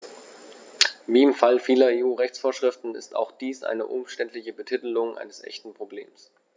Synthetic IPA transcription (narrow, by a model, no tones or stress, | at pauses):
viːɪmfalfiːlɐeːuːʁɛçt͡sfoːɐʃʁ̥ɪftn̩ɪ̰sta̰ʊxd̥iːsʔa̰ɪnə̰ʔʊmʃtɛntlɪçəbətʰɪtəlʊŋʔa̰ɪnəsʔɛ̰çtn̩pʁ̥oblḛːms